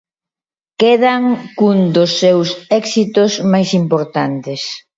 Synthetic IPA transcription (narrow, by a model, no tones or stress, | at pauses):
keðaŋkund̪ʊsːewsɛksit̪ʊsmajsimpoɾt̪ant̪ɪs